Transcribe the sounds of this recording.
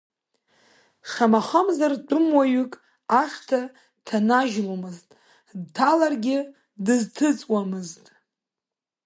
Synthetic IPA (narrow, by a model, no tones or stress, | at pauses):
ʃamaχəmzart͡pʷʼʊmwaɥʏkʼ | aʂtʰa | tʰanaʒlamɨztʼ | dtʰalarɡʲɪ | dɨztʰɨt͡sʼwamɨztʼ